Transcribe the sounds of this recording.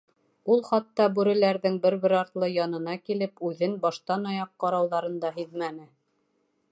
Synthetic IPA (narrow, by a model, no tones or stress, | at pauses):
ulˠχɑt̪ːɑbʉɾɘ̆læɾðɘŋbɘɾβɘɾɑɾt̪lˠɤjɑnɤ̆n̪ɑkilɘpʉðɘnbɑʃt̪ɑnɑjɑqːɑɾɑwðɑɾɤ̆nd̪ɑɦiðmænɘ